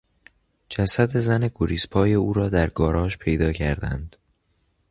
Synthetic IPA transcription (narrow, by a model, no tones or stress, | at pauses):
d͡ʒæsæd̪e̞zæne̞ɡoɾiːspʰɒːje̞uːɾɒːd̪æɾɡɒːɾɒːʃpʰe̞jd̪ɒːcʰæɾd̪æ̰nd̪̥